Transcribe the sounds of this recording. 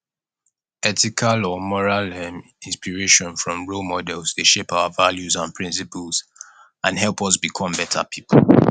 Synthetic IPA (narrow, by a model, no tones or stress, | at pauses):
ɛtikʰalɔmɔɹalɛm | ĩnspiɹeʃɔ̃nfɹɔ̃mɹolmɔdɛlzdeʃepaʊavaljuzãnpʰɹĩns̬ipəlz | ãnɦɛlˠpɔs̬bikʰɔ̃mbɛtʰa̰pʰipʰl